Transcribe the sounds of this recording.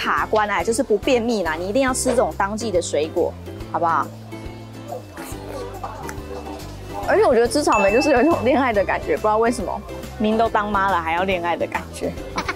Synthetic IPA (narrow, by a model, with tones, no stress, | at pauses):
kʰa˨˩kwa˦na˨˧˩t͡ɕjʊʂɻ̩˥˩pu˧˦pjɛ˥˧nmi˥˨˩na˨˩ni˨˩i˧˥i˥˧ŋjɑ˥˩ʊʈ͡ʂʰɻ̩˥t͡sɤ˥˩ʊ˨˩ŋt̪ɑ˥ŋt͡ɕi˥˩d̪ə˩swe˧˦ɪkwɔ̰˨˩˦ | xɑ˨˩ʊba˨ | ə˧˥t͡ɕʰɛ˨˩˦wɔ˨˩t͡ɕɥɛ˧˥ə˧t͡s̩ʰ˥t͡sʰɑ˨˩ʊmə˨˦nt͡ɕo˥˧ʊʂ̬ɻ̩˥˩o˨˩ʊ˥i˥˩ʊ˨˩ŋljɛ˥˧na˥˩ɪd̪ə˨˩ka̰˨˩nt͡ɕɥɛ˧˥pu˧˥jʊwe˥˩ɪʂə˧˥mɐ̰˨ | ni˧˦t̪o˥ʊt̪ɑ˦˥ŋma˦˥lə˨xa˧˥ɪjɑ˥˧ʊljɛ˥˧na˥˩ɪd̪ə˩ka˨˩nt͡ɕɥɛ˧˥˦